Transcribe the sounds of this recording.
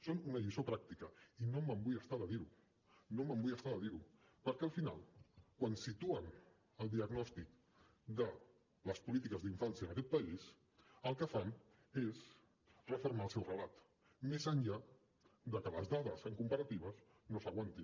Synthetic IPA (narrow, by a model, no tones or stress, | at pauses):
sonunəʎisopɾak̚t̪ikəinoməmbujəst̪aðəðiɾu | noməmbujəst̪aðəðiɾu | pəɾkɛəlˠfina̰lˠkwansit̪uən | əlˠd̪iəɣnɔst̪ik̚ | d̪ə | ləspulit̪ikəzðiɱfansiənəkɛt̪̚pəis | əlˠkəfam | es | rəfuɾmaəlˠsɛwrəlat̪ | mezənʎa | d̪əkələzðaðəsəŋkumpəɾət̪iβ̞əz | nosəɣwant̪in